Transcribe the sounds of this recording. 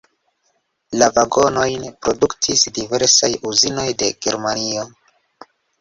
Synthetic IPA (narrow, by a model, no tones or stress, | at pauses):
lavaɡo̞no̞jnpɾo̞duktʰisdive̞ɾsajuzino̞jde̞ɡe̞ɾmanio̞